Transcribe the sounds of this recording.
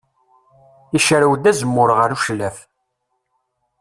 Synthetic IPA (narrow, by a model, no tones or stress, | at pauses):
iʃɾəwd̪æzəmːʊɾʁəɾuʃlæf